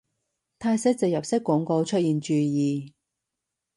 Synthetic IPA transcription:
t̪ʰaː˧jsɛ˥k̚t͡sɪ˨k̚jɐ˨p̚sɪ˥kːɔ˨˥ŋko˧wt͡ʃʰɵ˥t̚jiː˨nt͡ʃyː˨˧jiː˨˧

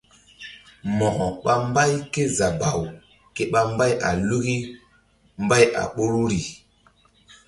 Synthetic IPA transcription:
mɔ˨hɔ˨ɓa˦mba˦jke˦za˨ba˨w | ke˦ɓa˦mba˦ja̰˨lu˦ɣi˦ | mba˦ja̰˨ɓo˦ɾu˦ɾi˨

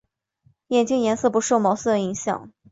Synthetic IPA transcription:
jɛ˨˩nt͡ɕi˥˩ŋjɛ˧˥nsɤ˥˩pu˧˥ʂo˥˩ʊmɑ˧˥ʊs̩˥˩d̪ə˩i˧˥ŋɕjɑ̰˨˩˦ŋ

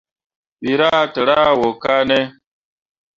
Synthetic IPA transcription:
ɓi˨ɾa˦˨tə˨ɾa˦wo˨ka˦ne˦

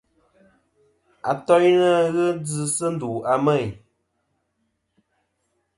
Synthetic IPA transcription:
a˨tɔ˦jnə˦ɣə˦d͡zɨ˨sɨ˦n̩˦du˨a˨mɛ˦˨j

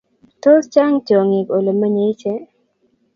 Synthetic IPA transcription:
to˦st͡ʃa˦ŋt͡ʃo˨ŋɪ˨ko˨lo˨ma˦ɲe˨jt͡ʃɛ˦

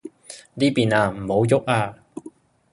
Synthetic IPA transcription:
niː˥piː˨naː˧m̩˨˩ho˨˧˥wjʊ˥k̚aː˧

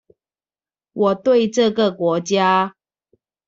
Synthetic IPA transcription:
wɔ˨˩t̪we˥˨˧ɪʈ͡ʂɤ˥˨ɡə˨kwɔ˧˥t͡ɕja˦

